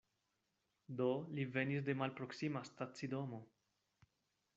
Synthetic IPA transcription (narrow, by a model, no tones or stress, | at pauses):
d̪olive̞nis̬d̪e̞malpɾo̞ksimast̪at͡sidomo